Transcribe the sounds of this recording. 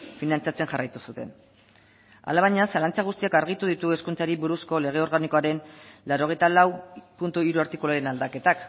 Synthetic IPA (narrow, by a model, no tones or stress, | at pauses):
finant͡sat͡se̞nxarajt̪usut̪e̞̰n | a̰laβaɲasalant͡saɣ̞ust̪iakaɾɣ̞it̪uðit̪ue̞skunt͡saɾiβuɾusko̞le̞ɣ̞e̞o̞ɾɣaniko̞aɾe̞nlaɾo̞ɣ̞e̞jt̪alawpunt̪uiɾuaɾt̪ikulaɾe̞nald̪ake̞t̪ak